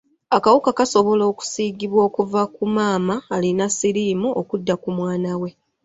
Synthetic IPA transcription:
akawukakaso̞βo̞lo̞ːku̥siːɡiβwo̞ːkuvakumaːmaːlinasiɾiːmuʔokudːakumwaːnawe̞

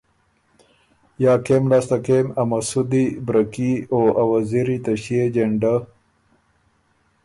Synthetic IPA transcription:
jaːkemlaːst̪akemɐmɐsud̪ibɾɐkioɐwaziɾit̪ɐɕied͡ʑeɳɖa

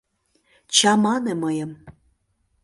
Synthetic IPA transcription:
t͡ɕɑmɑneməjəm

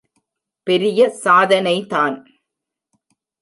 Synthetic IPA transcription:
pɛɾɪjɐsaːðɐnɐɪt̪aːn

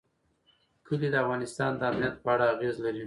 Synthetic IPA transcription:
kʰəlid̪əafɣɑnɪst̪ɑnd̪əamnijat̪̚pəaɽaːɣezlaɾi

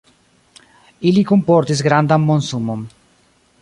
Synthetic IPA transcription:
ilikumpɔɾt̪isɡɾand̪amːonsumum

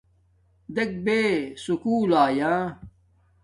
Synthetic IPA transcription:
d̪ek̚besukuːlaːjãː

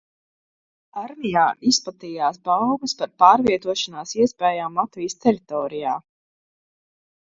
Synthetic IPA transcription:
aɾmijaːʔispat̪ijaːsbawbəspaɾpaːɾviɛt̪uɔʃanaːsiɛspɛːjaːmːat̪vijst̪ɛɾit̪ɔːɾija̰ː

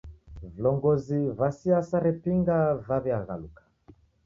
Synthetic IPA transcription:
vlɔŋɡɔzivasiasaɾɛpiŋɡavaβɛaɣa̰lukḁ

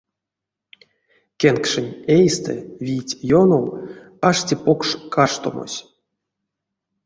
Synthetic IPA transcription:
kʲenkʂɨnʲejst̪ʰɛ̰vʲijtʲjonow | aʂtʲipokʂkaʂt̪o̰mo̰sʲ

